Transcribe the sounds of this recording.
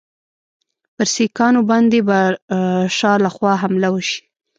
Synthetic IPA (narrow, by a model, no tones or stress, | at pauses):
pəɾsikɑnobɑnd̪eba | ʃɑlaxwɑɦamlawəʃi̥